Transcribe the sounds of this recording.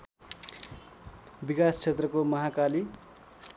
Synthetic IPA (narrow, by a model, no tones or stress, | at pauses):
bikast͡sʰet̪rʌkomʌɦakali